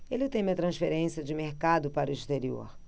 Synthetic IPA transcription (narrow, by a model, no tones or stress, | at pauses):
elɪt̪ẽj̃ĩɐt̪ɾɐ̃sfeɾẽsiɐd͡ʒɪmeɾkad̪ʊpaɾʊist̪eɾio̰ɾ